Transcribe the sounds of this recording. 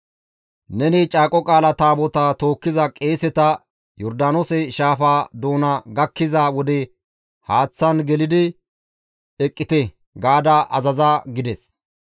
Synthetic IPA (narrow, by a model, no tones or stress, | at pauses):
nɛnit͡ʃʼaːkʼɔkʼaːlɐt̪aːbɔt̪at̪o̞ːkːɪzɐkʼeːsɛt̪ɐ | jɔɾd̪aːnosɛʃaːfaːd̪o̞ːnɐɡɐkːɪzɐwɔd̪ɛ | haːt͡sːɐnɡɛlɪd̪ɪ | ɛkʼːɪt̪ɛ | ɡaːd̪aʔɐzɐzaːɡɪd̪ɛs